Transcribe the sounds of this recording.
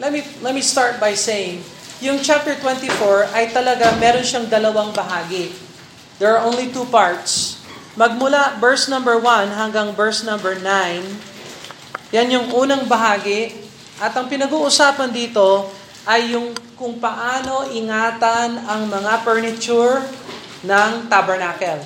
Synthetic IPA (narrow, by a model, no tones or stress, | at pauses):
lɛt̪milɛt̪̚mist̪aɹt̪̚bɐjsejɪŋ | jʊŋt͡ʃap̚t̪ɛɹt̪wɛ̃nt̪ifoɹɐjt̪ɐlɐɡamɛːɾo̞nʃaŋd̪ɐlɐwaŋbɐɦaːɡɪ | d̪ɛɹɐʔõwnlit̪uːpaɹt̪smɐɡ̚mʊlabɛɹsnɐ̃mbɛɹwɐnɦɐŋɡaŋbɛɹsnɐ̃mbɛɹnajn | janjʊŋʔuːnɐŋbɐɦaːɡɪ | ʔɐt̪ɐŋpɪnɐɡuːʔʊsaːpɐnd̪iːt̪o̞ | ʔɐjːʊŋkʊŋpɐʔaːno̞ʔɪŋaːt̪ɐnɐŋmɐŋapɛɹnɪt͡ʃuɹ | nɐŋt̪abɛɹnaːkɛl